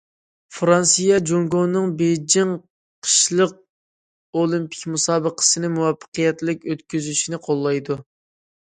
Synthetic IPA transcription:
fɾɑnsijɑd͡ʒoŋɡonɨŋbejd͡ʒiŋ | qʰə̥ʃlˠəq̚ | olˠimpʰi̥kʲmusɑːbəqʰə̥sɨnɪmuwɑfːə̥qəjɛt̪lɪkʲøt̪kʲyzyʃinɪqʰolˠːɑjd̪u

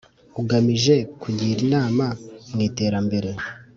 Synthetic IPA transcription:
uɡamiʒe̞kuɟiːɾinaːmamŋiːte̞ːɾambe̞ɾe̞

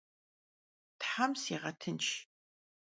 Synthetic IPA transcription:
tħamsiːʁɐtʰɨnt͡ʃ

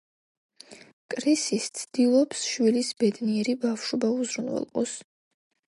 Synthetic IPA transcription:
kʼɾisist̪sʰd̪̥ilˠɔpsʃwilisbɛd̪niɛɾibafʃɔbauzɾunvɛ̰lˠqʼɔs

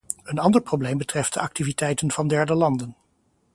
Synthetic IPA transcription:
ənɑndəɹprowblejmbətrɛft̚dəʔɑk̚tivitɛjtənv̥ɑndɛɹdəlɑndən

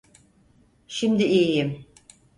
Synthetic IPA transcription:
ʃimd̪iijijim

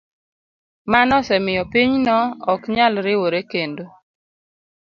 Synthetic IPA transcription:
manɔsɛmɪjɔpiɲnɔɔkɲalɾɪwoɾekendo

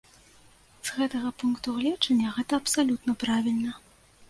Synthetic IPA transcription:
z̥ɣɛt̪ɐɣɐpunkt̪uɣlʲɛt͡ʂɐnʲːɐɣɛt̪ɐɐpsalʲut̪nɐpɾavʲilʲnɐ

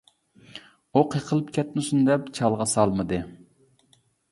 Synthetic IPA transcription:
oqʰjeqʰəlˠɨpkʲʰɛt̪nɪsund̪ɛp̚t͡ʃʰɑlˠʁɑsɑlˠmɨd̪ɨ

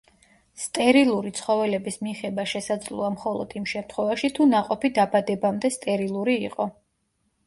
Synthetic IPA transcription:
st̪ʼɛɾilˠuɾit̪sʰχɔvɛlɛbismiχɛbaʃɛsad̪zlˠuamχɔlˠɔ̰d̪̥imʃɛmt̪ʰχwɛvaʃit̪ʰunaqʼɔpid̪abad̪ɛbamd̪ɛst̪ʼɛɾilˠuɾiiqʼɔ

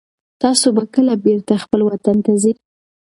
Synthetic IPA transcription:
t̪ɑsobakəlabeɾt̪axpəlwat̪ant̪aziɾ

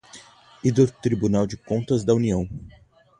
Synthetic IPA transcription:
id̪ʊt̪ɾibunawd͡ʒɪkõnt̪ɐzd̪ɐuniɐ̃w̃

